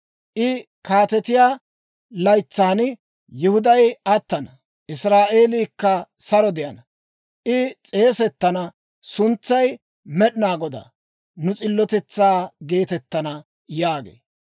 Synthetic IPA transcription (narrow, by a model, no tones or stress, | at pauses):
ʔɪ | kaːt̪ɛt̪ɪjaː | lɐjt͡sːaːnɪ | jɪhʊd̪ɐjɐt̪ːɐnɐ | ʔɪsɾaːʔe̞ːliːkːɐsɐɾɔd̪ɪjɐnɐ | ʔɪt͡sʼe̞ːsɛt̪ːɐnɐ | sʊnt͡sːɐj | mɛɗɪnaːɡɔd̪a̰ | nʊt͡sʼɪlːɔt̪ɛt͡sːaːɡe̞ːt̪ɛt̪ːɐnɐ | jaːɡḛː